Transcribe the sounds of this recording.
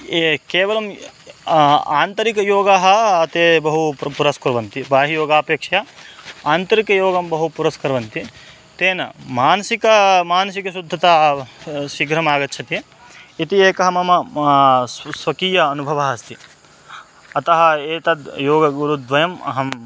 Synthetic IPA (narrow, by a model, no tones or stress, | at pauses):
keːʋɐlɐm | aːnt̪ɐɾikɐjoːɡaːɦɐːt̪eːbɐɦupuɾɐskɐɾʋɐnt̪ibaːɦijoːɡaːpeːkʂɐjɐaːnt̪ɐɾikɐjoːɡɐmbɐɦupuɾɐskɐɾʋɐnt̪i | t̪eːnɐmaːnɐsikɐmaːnɐsikɐsud̪ʱːɐt̪aː | ʃiɡɾɐmaːɡɐt̪ːt͡ʃʰɐt̪i | it̪ieːkɐɦɐmɐmɐ | sʋɐkiːjɐːnubʱɐʋɐːɦɐst̪i | ɐt̪ɐɦɐeːt̪ɐd̪joːɡɐɡuɾud̪ʋɐjɐmɐ̰ɦɐm